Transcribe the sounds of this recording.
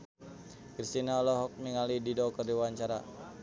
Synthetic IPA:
krist̪inaɔlɔɦɔk̚miŋalididɔkərdiwaɲt͡ʃaɾa

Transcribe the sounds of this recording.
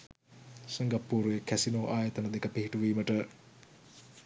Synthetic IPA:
sɐŋɡapːuːɾuekʰæsinoːʔaːjɐt̪ɐnɐd̪ekəpiɦiʈuʋiːməʈə

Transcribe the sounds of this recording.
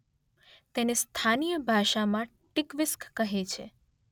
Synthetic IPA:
t̪enest̪ʰanijəbʱaʃamã | ʈɪkʋɪskkəɦet͡ʃʰḛ

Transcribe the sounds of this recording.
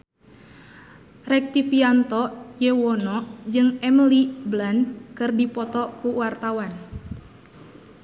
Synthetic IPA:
rɛk̚t̪ifiant̪ɔjewɔnɔd͡ʒɨŋɛməliblankɨrdipɔt̪ɔkuwart̪awan

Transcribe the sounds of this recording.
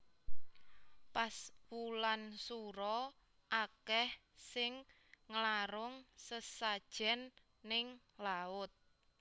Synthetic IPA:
paswulansuɾɔ | ʔakɛh | sɪŋː | əlaɾʊŋsəsad̥ʒ̥ɛnː | ɪŋ | laʊt̪̚

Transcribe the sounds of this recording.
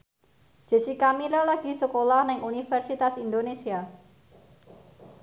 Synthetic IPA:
d͡ʒ̥ə̤sikamilalaɡ̥i̤səkolahnɪŋunifɛrsit̪asind̪onesia

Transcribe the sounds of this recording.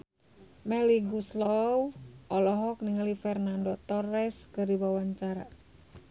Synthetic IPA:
mɛliɡuslɔwʔɔlɔɦɔk̚niŋalifɛrnandɔt̪ɔrɛskədiwawaɲt͡ʃaɾa̰

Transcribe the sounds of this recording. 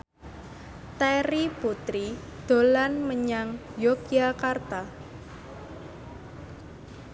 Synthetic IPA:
t̪eɾiput̪ɾi | d̪̥o̤lanməɲaŋjokiakart̪a

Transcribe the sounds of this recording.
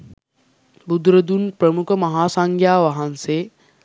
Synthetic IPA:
bud̪ɾəd̪unpɾəmukəmɐɦaːsaŋɡjaːʋaɦanseː

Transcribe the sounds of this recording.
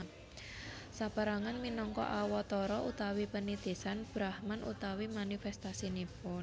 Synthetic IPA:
sapəɾaŋanminɔŋkɔ̰ʔawɔt̪ɔɾɔʔut̪awipənid̪̥e̤sanb̥ɾahmanʔṵt̪awimanifɛst̪asinipʊn

